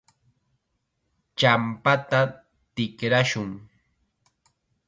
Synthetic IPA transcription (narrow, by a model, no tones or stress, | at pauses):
t͡ʃampat̪a | t̪ɪkɾaʃʊŋ